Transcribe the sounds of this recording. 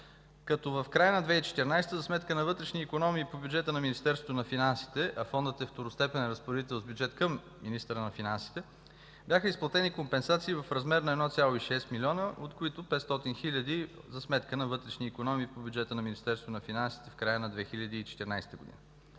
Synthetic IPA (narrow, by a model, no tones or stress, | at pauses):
kɐt̪ɔvɐfkɾajənɐd̪vɛit͡ʃɛ̥t̪iɾnajst̪əzɐsmɛt̪kənɐvɤt̪ɾɛʃniːkonɔmiːpobjud͡ʒɛt̪ənɐminʲist̪ɛɾsvot̪ʊnɐfinansi̥t̪ɛʔɐfɔnd̪ət̪ɛft̪oɾost̪ɛpɛnɛɾəspoɾɛd̪it̪ɛlˠzbʲjud͡ʒɛt̪kəm | minist̪əɾənɐfinansi̥t̪ɛ | bʲjaxəisplˠɐt̪ɛnikompɛnsat̪siːvɐfɾɐzmɛɾnɐɛd̪nɔt̪sʲjalˠoiʃɛst̪milʲɔnəʔot̪kʊit̪ʊpɛt̪st̪ɔt̪inxilʲəd̪izɐsmɛt̪kənɐvɤt̪ɾɛʃniːkonɔmiːpobʲjud͡ʒɛt̪ənɐminist̪ɛɾst̪vot̪onɐfinansi̥t̪ɛfkɾajənɐd̪vɛxilʲɐd̪iːt͡ʃɛ̥t̪iɾna̰jst̪əɡʊ̰d̪ḭnə